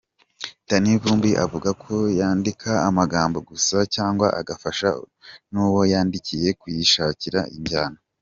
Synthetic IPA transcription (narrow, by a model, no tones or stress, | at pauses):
tanivuːmbiʔa̰vuɡakʰo̞jaːndikʰaːmaɡaːmbo̞ɡusacaːŋɡwaʔa̰ɡafaʃa̰ | nuːwo̞jaːndicije̞kwijiʃaːciɾaʔiɲɟaːno